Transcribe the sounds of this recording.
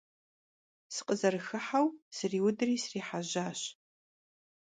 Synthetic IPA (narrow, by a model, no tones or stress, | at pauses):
sɨ̥qʼəzɐrɨxɨħawsɨriːwʊdɨriːsriːħaʑaːɕ